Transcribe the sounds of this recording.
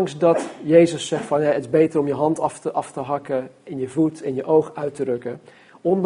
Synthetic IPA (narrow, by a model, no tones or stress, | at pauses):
ŋsdɑtjejzəsɛχtfɑnjaətɪzbejtərɔmjəɦɑntɑftəʔɑftəɦɑkəɪnjəvutɪnjəʔowχœɥtərɵkə | ɔn